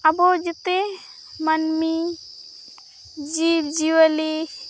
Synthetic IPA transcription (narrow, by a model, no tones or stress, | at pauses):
ɐbod͡ʒet̪e | mɐnmi | d͡ʒibd͡ʒiwali